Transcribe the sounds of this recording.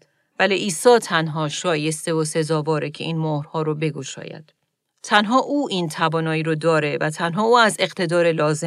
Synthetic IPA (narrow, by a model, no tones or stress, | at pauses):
væliʔiːsɒːt̪ʰænɦɒːʃɒːje̞st̪e̞ose̞zɒːvɒːɾecʰe̞iːnmohɾhɒːɾobe̞ɡo̞ʃɒ̰ːjæ̰d̪̥ | t̪ʰænɦɒːʔuːʔint̪ʰævɒːnɒːjiːɾod̪ɒːɾe̞væt̪ʰænɦɒːuːæze̞ɣt̪ʰe̞d̪ɒːɾelɒːze